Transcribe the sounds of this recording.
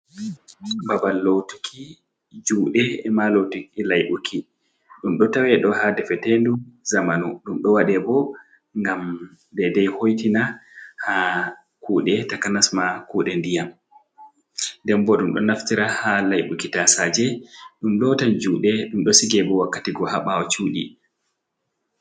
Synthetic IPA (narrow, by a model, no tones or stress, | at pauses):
babalːowtu̥kʰi | d͡ʒuːɗɛɛmalowtukilajɓukʰi | ɗumɗɔtawɛɗɔhadɛfɛtenduzamanuɗumɗɔwaɗɛbɔ | ŋɡam | dɛdɛjhojtinaha | kʰuɗɛtakanasmakuːɗɛndijam | ndɛmbɔɗumɗɔ̰naftiɾahalajɓukitasad͡ʒɛɗumlɔtand͡ʒuːɗɛɗumɗɔsiɡɛbɔwakːatiɡɔhaɓawɔt͡ʃuːɗḭ